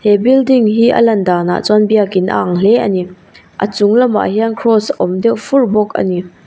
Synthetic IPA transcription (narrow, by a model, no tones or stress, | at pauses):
hɛbildiŋɦiːʔə̰lɐndaːna̰ʔt͡sɔnbiakɪnʔə̰aŋl̥ɛʔəni | ʔə̰t͡sʊŋlɐma̰hiankʰrɔsʔɔmdɛwʔfurbɔk̚ə̰ni